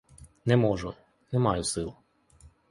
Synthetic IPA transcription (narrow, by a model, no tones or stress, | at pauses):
nɛmɔʒʊ | nɛmɑjʊsɪlˠ